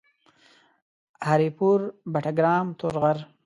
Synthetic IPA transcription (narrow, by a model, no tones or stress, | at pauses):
haɾipuɾbaʈaɡɾɑːmt̪oɾɣaɾ